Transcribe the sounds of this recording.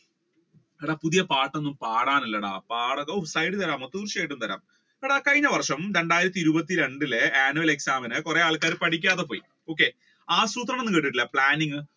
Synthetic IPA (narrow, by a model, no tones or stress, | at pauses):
eɽaːpuðijɐpaːʈːenːumpaːɽaːnɐlːɐɽa̰ːpaːɽɐoːsɐjɽɨt̪ɐɾaːmot̪ːud̪urʂeːʈːumt̪ɐɾa̰ːm | ɽaːkɐɻiɲːɐʋɐrʂɐmɾe̞ɳɖaːjiɾɐt̪ːiɾubɐt̪̬ːiɾe̞ɳɖileaːnuʋɐleksaːmɐnɨkore̞aːɭkaːɾɨpɐʈʰikʲːaːðepo̞ːjḭ | o̞ːk̬ːe̞ | aːsruːt̪̬rɐmenːɨkeʈ̬ːɨʈːilːɐpɭaːniŋɡɨ